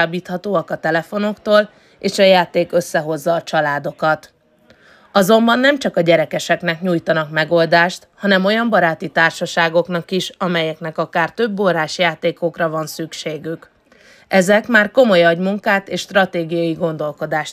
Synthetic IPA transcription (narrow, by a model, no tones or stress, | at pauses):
abiːt̪hɒt̪oːɒkɒt̪ɛlɛfo̞no̞kt̪oːl | eːʃɒjaːt̪eːkø̞sːɛɦo̞zːɒːt͡ʃɒlaːd̪o̞kɒt̪ | ɒzo̞mbɒnːɛmt͡ʃɒkɒɟɛɾɛkɛʃɛknɛkɲuːjt̪ɒnɒkmɛɡo̞ld̪aːʃt̪hɒnɛmo̞jɒmbɒɾaːt̪it̪aːrʃɒʃaːɡo̞knɒkiʃɒmɛjɛknɛkɒkaːrt̪ø̞bːoɾaːʃjaːt̪eːko̞krɒvɒnsykʃeːɡyk | ɛzɛkmaːrko̞mo̞jɒɟmuŋkaːt̪eːʃt̪rɒt̪eːɡijɒjiɡo̞nd̪o̞lko̞d̪aːʃ